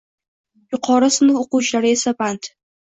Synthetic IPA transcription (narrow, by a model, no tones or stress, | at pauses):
jʊqʰɒɾasɪnɪŋoqut͡ʃlaɾɪesabant̪